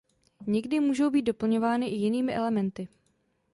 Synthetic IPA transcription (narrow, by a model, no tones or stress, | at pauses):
ɲɛɡdɪmuːʒo̞wbiːt̪̚do̞pl̩ɲo̞vaːnɪʔɪjɪniːmɪʔɛlɛmɛnt̪ɪ